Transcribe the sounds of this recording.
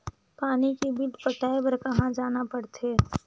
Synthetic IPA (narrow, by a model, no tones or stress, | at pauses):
paːnikebiʈpəʈaːebəɾkɐɦãd͡ʒaːnapɐɽt̪ʰeː